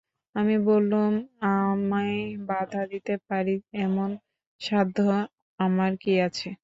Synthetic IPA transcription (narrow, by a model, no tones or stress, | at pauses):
amibolːumamabad̪ʱad̪it̪epaɾiɛmon | ʃad̪ʱːo | amaɾkiat͡ɕʰe